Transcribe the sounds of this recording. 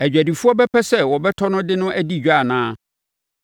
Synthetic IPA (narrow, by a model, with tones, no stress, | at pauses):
æ˨d͡ʑᶣæ˨di˨fu˦ɔ˦bɛ˦pʰɛ˦sɛ˦wɔ˨bɛ˦tʰɔ˦nʊ̃˦dɪ˦nʊ̃˦ʔæ˦di˦˨˦a˨nãː˦